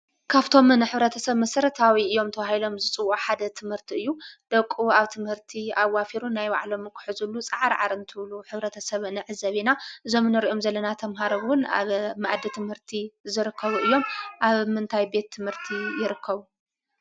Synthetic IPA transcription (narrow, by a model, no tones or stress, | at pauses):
kʰaβt̪ʰo̞mɨnɨħɨβɾɐt̪ʰɐsɐβmɐsɐɾɐt̪ʰawiʔɨjːo̞mt̪ʰɐβahilo̞mzɨt͡sʼɨwoħad̪ɐt̪ʰɨmhɨɾt̪ʰiɨjːud̪̥ɐkʼːuaβt̪ʰɨmhɨɾt̪ʰiawafiɾunajwa̰ʕlo̞mɨkʰɨ̥ħuzulːut͡sʼɐʕaɾʕa̰ɾɨnt̪ʰɨβluħɨβɾɐt̪ʰɐsɐβnɨʕɨzɐβinaʔɨzo̞mnɨɾiʔo̞mzɐlːɐnat̪ʰɐmɦaɾowʊna̰βmaʕd̪it̪ʰɨmhɨɾt̪ʰizɨɾɨkʰːɐβuɨjːo̞mʔaβmɨnt̪ʰajbe̞t̪ʰːɨmhɨɾt̪ʰijɪɾɨkʰːɐβu